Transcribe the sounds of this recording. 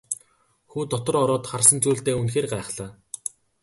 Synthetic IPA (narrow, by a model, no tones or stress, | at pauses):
xuːt̪ɔt̪ɞ̆rɔɾɔːt̪χarsə̆nt͡suːɮt̪eːunxeːrɢæːχɮaː